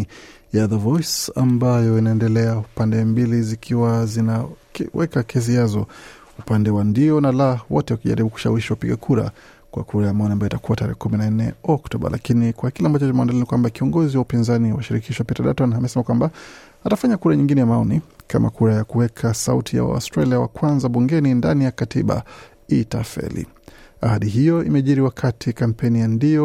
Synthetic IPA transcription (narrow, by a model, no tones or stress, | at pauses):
jaðəvɔjsa̰mbajɔinaɛndɛlɛaupandɛmbilizikʰiwazinawʔɛkakɛs̬iazɔ | upandɛwandiɔnalawɔtɛwakiʄa̰ɾiɓuku̥ʃa̰wiʃiwapiɡakʰuɾa̰ | kwa̰kuɾajamaɔniambajɔitakuwataɾɛ̰hɛkuminan̩nɛ̰ɔktɔɓa̰lʔa̰kinikwakilɛambat͡ʃɔt͡ʃɔmɛwandalinikwambakiɔŋɡɔziwaupinzaniwaʃiɾikiʃwapitaɗatɔnamɛsɛmakwamba | atafaɲakuɾaɲiŋɡinɛjamaɔnika̰ma̰kuɾajakuwɛkʰasautʰija̰wa̰ɔstɾaliawa̰kwanzaɓuŋɡɛnindanijakatiɓa̰ | itafɛ̰lḭ | ahaɗiɦijɔimɛʄiɾiwakʰatʰikampɛnijandiɔ